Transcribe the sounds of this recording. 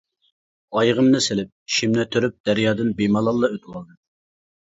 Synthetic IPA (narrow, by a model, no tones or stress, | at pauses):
ɑjʁəmnɨselɪp̚ʃimnɛt̪ʰøɾyp̚d̪̥æɾjɑːd̪ɨnbemɑlˠɑlˠːɑøt̪ʰwɑlˠd̪ɨ